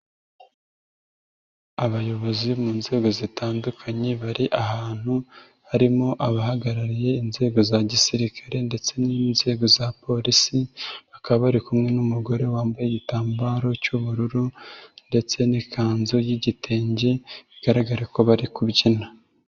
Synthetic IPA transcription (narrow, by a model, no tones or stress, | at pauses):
aβajo̞βo̞zimuːnze̞ːɡo̞zitaːndukʰaɲe̞βaɾiʔahaːn̥hu | haɾimo̞ʔaβahaɡaɾaɾije̞inze̞ːɡo̞zaɟisiɾikʰaɾe̞nde̞t͡se̞niːnze̞ːɡo̞zapo̞ɾisiβakaββaɾikumŋe̞numuɡo̞ɾe̞waːmbajeɟitaːmbaɾo̞cuβuɾuɾunde̞t͡se̞nikʰaːnzo̞jiɟitʰe̞ːɲɟeβiɡ̥aɾaɡaɾako̞βaɾikubɟina